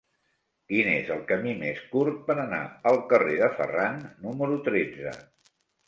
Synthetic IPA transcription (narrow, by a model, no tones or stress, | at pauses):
kinezəlˠkəmimeskuɾt̪̚pəɾəna̰əlˠkəreðəfə̰ranːuməɾut̪ɾed͡zə̰